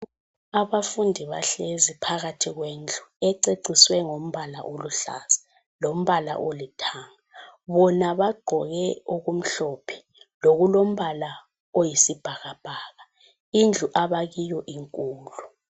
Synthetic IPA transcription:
aβafundʱiβaɬezipʰaɣatʰiɣweːnd͡ɮʱuɛǀeǀʱiswɛŋom̩βalaʔoluɬa̰ːzḁ | lom̩βala̰ʔolitʰaːŋaβɔnaβaɡ͡ǃʱɔɣɛoɣum̩ɬɔpʰɛ̥ | loɣulom̩βala | ojisib̥ʱaɣab̥ʱaːɣa | ind͡ɮʱuʔaβaɣijɔʔiŋkʼuːlu

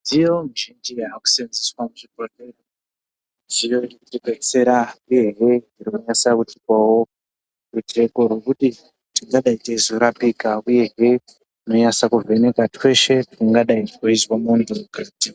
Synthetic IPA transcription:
ndijo̞muʒind͡ʒiaaku̥senziswamuʐipotero | ndijo̞iiɡwet͡se̞ɾauje̞ɦeiroɲasakutikwawo̞ | rute̞koɾokuti | tiŋɡaɗaitezoɾapikauje̞ɦe | no̞ɲasakuve̞ne̞katwe̞ʃe̞tuŋɡaɗaitkoizwamondoɡriti

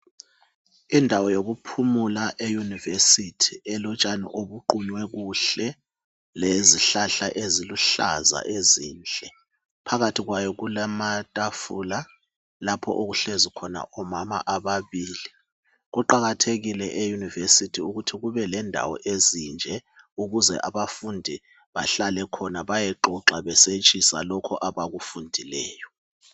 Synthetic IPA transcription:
indʱawɔjoɣupʰumulaʔejunivesitʰiɛlɔt͡ʃʼanḭʔoβuǃuɲwɛɣuɬɛ | leziɬaɬaʔeziluɬa̰za̰ʔeziːnt͡ɬʼɛ | pʰaɣatʰiɣwajɔɣulamatʼafula | lapʰɔ̰ʔoɣuɬezikʰɔna̰ʔɔmama̰ʔaβaβiːli | ɣuǃaɣatʰeɣilɛʔejunivesitʰiuɣutʰiɣuβɛlɛndʱa̰wɔ̰ʔezind͡ʒʱɛ | uɣuzɛ̰ʔaβafundʱi | βa̰ɬalɛkʰɔnaβajɛǃɔǁaβɛset͡ʃʼisa̰lɔkʰɔʔaβaɣufundʱilɛːjɔ

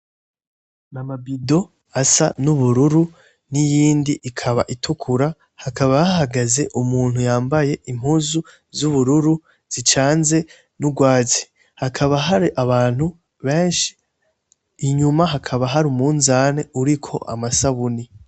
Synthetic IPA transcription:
namabido̞ | asa̰nuβuɾuɾu | nijiːndiʔːkʰaβa̰ʔitʰukʰuɾa | hakaβaahaɡaze̞ʔumuːn̥hujaːmbaje̞ʔim̥huzu | zuβuɾuɾu | z̥it͡ʃaːnze̞ | nuɡwaːt͡si̥ | hakʰaβaɦaɾiʔaβaːn̥hu | βe̞ːnʃi̥ː | ɲumaɦakʰaβaɦaɾumuːnzaneuɾikʰo̞̰ʔa̰masaβuni

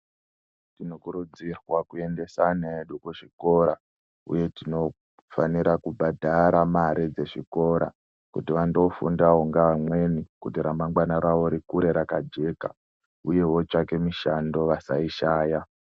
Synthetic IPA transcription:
tinokuɾud͡zirwakue̞nde̞sane̞ɗukuʐiko̞ɾa | ṵje̞tino̞ | faniɾakubʱadʱaɾamaɾid͡ze̞ʐiko̞ɾa̰ | kutiʋando̞fundaoŋɡaʋamwe̞nikutiɾamaŋɡwanaɾaʋo̞ɾikuɾe̞ɾakad͡ʒe̞ka̰ | uje̞wo̞t͡ʃake̞miʃando̞ʋasaiʃaːja

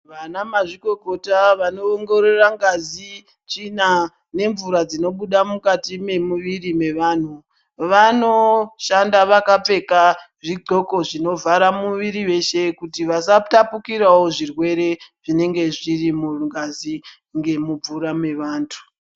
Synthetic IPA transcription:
ʋanamaʐiko̞ko̞taʋano̞ːŋɡo̞ɾe̞raŋɡazi | t͡ʃina | ne̞ɱvuɾad͡zino̞ɓuɗamukatime̞muʋirime̞ʋan̤u | ʋano̞ʃandaʋakape̞kaʐiɡʱo̞ko̞ʐino̞vaɾamuʋiɾiʋe̞ʃe̞kutiʋasatapukiɾawo̞ʐirwe̞ɾe̞ʐine̞ŋɡe̞ʐirimuŋɡazi | ŋɡe̞mub͡vuɾame̞ʋaːntʰu̥

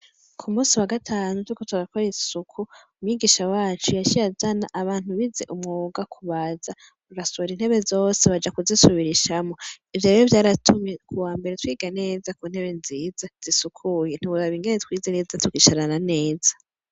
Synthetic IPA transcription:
kʰumuːsiwaɡatʰaːnuuikotwaɾakʰoɾisukʰuumɲiɡiːʃawaːt͡ʃujaʃiazanaʔaβaːn̥huβize̞̰ʔumŋoːɡakʰuβaza | ɾuɾasoɾin̥he̞βe̞zo̞ːseβad͡ʒakuzisuβiɾiʃamo̞ | ivjoɾejovjaːɾatʰumjekuwaːmbe̞ɾetwiːɡane̞ːzakuːn̥he̞βenziːzaz̥isukʰujen̥iβuɾaβiːŋɡenetwiːzeneːzatʰukiʃaɾanane̞ːzḁ

